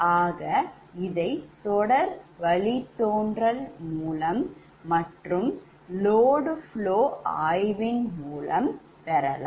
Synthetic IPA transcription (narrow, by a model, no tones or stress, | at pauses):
aːɣɐ | ɪðɐɪt̪ɔɽɐɾʋɐɭit̪ːoːndrɐlmuːlɐmː | ɐʈrɯm | loːɽɯfɭoːaːjʋɪnmuːlɐm | pɛɾɐla̰ː